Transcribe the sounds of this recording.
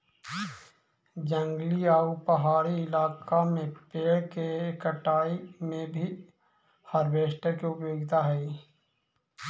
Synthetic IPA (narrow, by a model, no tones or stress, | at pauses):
d͡ʒə̃ŋɡliaupəɦaːɾiɪlaːkamẽpeːɽkekəʈaːimẽbʱi | həɾʋeːʃʈəkeʊpjoːɡt̪ʰaɦɛi